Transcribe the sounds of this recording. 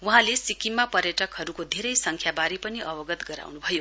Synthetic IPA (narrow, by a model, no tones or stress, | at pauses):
wuɦãlesikimːapʌɾjʌʈʌkɦʌɾukod̪ʱeɾʌjsʌŋkʰjabaɾipʌniʔʌbʌɡʌt̪ɡʌɾa̰wnubʱʌjo